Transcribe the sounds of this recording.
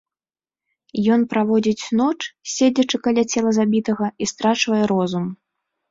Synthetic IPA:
jɔnpɾavɔd͡zʲit͡sʲnɔt͡ʂsʲed͡zʲɐt͡ʂɨkalʲat͡sʲɛlˠɐzabʲit̪ɐɣɐist̪ɾat͡ʂvɐjɛɾɔzum

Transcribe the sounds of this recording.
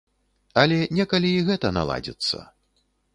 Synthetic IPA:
ɐlʲɛnʲɛkɐlʲiːɣɛt̪ɐna̰lˠa̰d͡zʲḭt̪sːɐ̰

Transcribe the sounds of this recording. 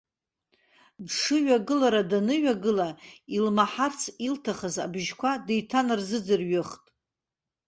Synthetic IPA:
dʂɨɥaɡɨlaɾadanɨɥaɡɨlailmaħart͡sʰiltʰaχaza̰bʒkʷʰadejtʰanɨrzɨd͡zɨrɥʏχtʼ

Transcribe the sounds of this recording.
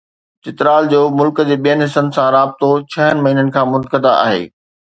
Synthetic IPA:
t͡ɕɪt̪ɾaːld͡ʑoːmʊlkə̆d͡ʑeːɓijənɦɪsənsãɾaːb̚t̪ot͡ɕʰɐɦənɪ̆mɐɦiːnənɪ̆kʰãːmʊnkəd̪aʔa̰ːɦḛː

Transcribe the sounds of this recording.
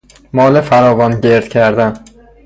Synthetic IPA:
mɒːlɪfaɾɒːvɒnɟʲe̞ɾd̪̥kʲʰæɾd̪an

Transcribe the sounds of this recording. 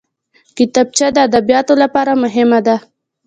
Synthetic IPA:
kɪt̪ɑb̚t͡ʃad̪əad̪abijɑt̪olapɑɾamʊɦɪmad̪a

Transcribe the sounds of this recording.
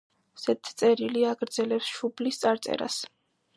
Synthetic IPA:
sɛt̪ʰt̪sʼɛɾiliaɡɾd̪zɛlɛpsʃublist̪sʼaɾt̪sʼɛ̰ɾa̰s

